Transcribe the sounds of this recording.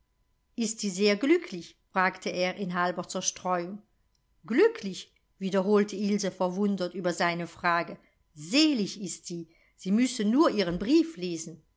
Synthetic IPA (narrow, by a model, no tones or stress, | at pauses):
ʔɪstz̥iːzeːɐɡlʏkʰlɪçfʁ̥aːktʰəeːʁʔɪnɦalbɐt͡sɛɐʃtʁ̥ɔʏʊŋ | ɡ̥lʏkʰlɪç | v̥iːdɐɦoːltʰəɪlzəfɛɐvʊndɐtyːbɐzaɪnəfʁ̥aːɡə | zeːlɪçɪstz̥iː | z̥iːmʏsənuːɐʔiːʁənbʁiːfleːzn̩